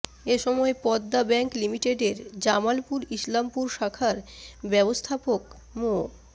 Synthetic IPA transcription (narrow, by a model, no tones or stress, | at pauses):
eʃɔmɔepɔd̪ːabɛŋklimiʈeɖeɾd͡ʑamalpuɾislampuɾʃakʰaɾbɛbost̪ʰapok | mo